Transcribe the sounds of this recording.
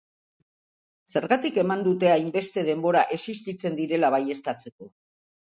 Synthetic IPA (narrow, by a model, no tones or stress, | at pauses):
se̞ɾɣat̪ike̞mand̪ut̪e̞ajmbe̞st̪e̞ð̞e̞mbo̞ɾaʔe̞sist̪it͡se̞nd̪iɾe̞laβaje̞st̪at͡se̞ko̞